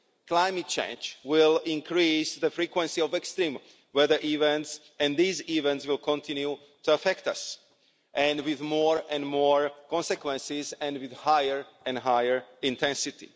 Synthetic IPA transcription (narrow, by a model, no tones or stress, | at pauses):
klajmɨt̚t͡ʃḛ̃ɪ̃nd͡ʒwɪlˠĩŋnkɾisðəfɾikwɛ̃nsiɔvɛkst̪ɾĩm | wɛðəʔivɛ̃nts | ɛ̃ndizivɛ̃ntswɪlˠkʰɔ̃nt̪ʰĩnju | t̪uafɛkt̪as | ʔɛ̃nwɪðmɔɹɛ̃nmɔɹkɔ̃nsɛkwɛ̃nsizɛ̃ndwiðhajəɹʔɛ̃nɦajəɹĩnt̪ʰɛ̃nsit̪ḭ